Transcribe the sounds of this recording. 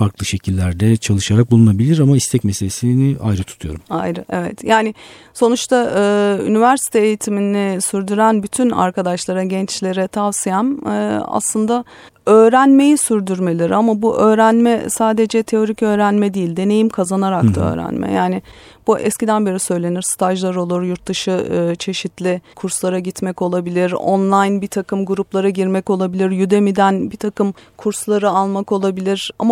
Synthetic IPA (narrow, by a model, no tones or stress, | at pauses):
faɾklˠɯʃe̞cʰilʲːæɾd̪ɛt͡ʃʰalˠɯʃaɾak̚bulˠunabilʲiɾamaist̪ʰɛcmeselʲesiniajɾɯt̪ʰu̥t̪ʰujoɾuma̰jɾɯʔevɛt̪jaːnɪ | so̞nut͡ʃt̪ʰaʔɯːy̰nivæɾsi̥t̪ʰeːjit̪ʰiminɪsyɾd̪yɾænbyt̪ʰyna̰ɾkad̪aʃlˠaɾaɟɛnt͡ʃlʲe̞ɾɛt̪ʰavsijanɯːa̰slˠɯnd̪a | ø̞ːɾænme̞jisyɾd̪yɾme̞lʲiɾamabuʔø̞ːɾænmɛsaːd̪e̞d͡ʒɛt̪ʰe̞o̞ɾicø̞ːɾænmɛd̪ijilʲd̪e̞ne̞jimkʰazanaɾak̚d̪ʰaø̰ːɾæ̰nmɛ̰jaːnɪb̥uʔɛ̰scid̪ænbeɾisø̞jlʲe̞niɾ̥st̪ʰaʒlˠaɾo̞lˠuɾjuɾt̪̚d̪ɯʃɯɯt͡ʃʰe̞ʃit̪lʲɪkʰuɾslˠaɾaɟit̪mɛco̞lˠabilʲiɾo̰nlˠajnbit̪ʰakʰɯmɡuɾuplˠaɾaɟiɾmɛco̞lˠabilʲiɾjyd̪e̞mid̪ænbit̪ʰakɯmkʰuɾslˠaɾɯalˠmako̞lˠabilʲiɾ̥a̰ma